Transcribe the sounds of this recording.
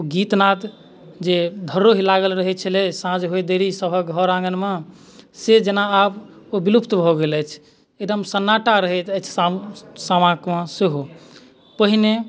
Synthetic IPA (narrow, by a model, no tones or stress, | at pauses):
ɡit̪nat̪ | d͡ʒed̪ʱəɾoɦilaɡəlɾəɦɛt͡ʃʰəlɛsãd͡ʒɦojd̪eɾisəbʱəɡʱɔɾãŋɡənmẽ | sed͡ʒenaːb | obilupt̪bʱɔɡelɛt͡ʃʰ | ed̪əmsənːaʈaɾəɦɛt̪ɛt͡ʃʰsasamãkmãseɦo | pəɦine